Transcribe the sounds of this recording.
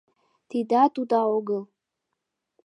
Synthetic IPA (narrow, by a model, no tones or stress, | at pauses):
t̪ʰid̪at̪ut̪ʼaoɡəl